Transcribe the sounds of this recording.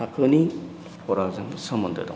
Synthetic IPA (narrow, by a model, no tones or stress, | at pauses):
akʰɯni | pʰɔɾak̚zɯŋsɐmɐndɯ̰da̰